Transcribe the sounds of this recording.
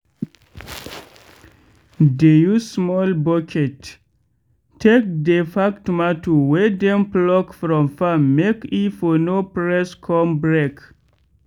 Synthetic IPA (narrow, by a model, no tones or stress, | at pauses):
dejusmɔlbɔkʰɛt | tʰek̚defaktmatʰuwɛdɛ̃mplɔkfɾɔ̃mfamːekifɔnopɹɛskʰɔ̃mbɹek